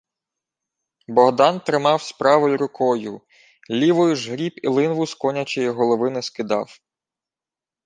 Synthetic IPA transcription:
bɔɦd̪ɑnt̪ɾɪmɑwspɾɑʋɪjʲɾʊkʰɔjʊ | lʲiʋɔjʊʒɦɾʲipilˠɪnʋʊskɔnʲɐt͡ʃɔjiɦɔlˠɔʋɪnɪskɪd̪ɑ̰w

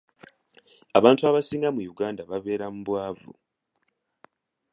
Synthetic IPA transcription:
aβaːntuaβasiːŋɡamujuɡaːndaβaβe̞ːɾamuβwaːvṵ

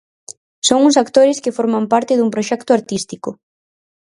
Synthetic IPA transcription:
soŋuŋsakt̪oɾɪskɪfoɾmampaɾt̪ɪðumpɾoʃɛkt̪ʊaɾt̪ist̪ikʊ

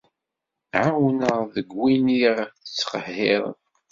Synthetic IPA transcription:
ʕawnəʁðəɡwiniʁθə̥t͡sːqəhːɪðˤə̰n

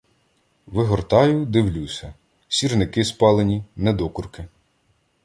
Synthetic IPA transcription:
ʋɪɦɔrt̪ɑjʊd̪ɪwlʲusʲɐ | sʲirnɪkɪspɑlˠenʲinɛd̪ɔkʊrkɪ

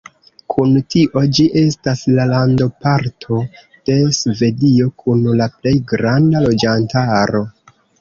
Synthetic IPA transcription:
kʰuntiʔo̞d͡ʒiʔe̞staslalando̞paɾtʰo̞ | d̥e̞sve̞dio̞kʰunlaple̞jɡɾandalo̞d͡ʒantaɾo̞

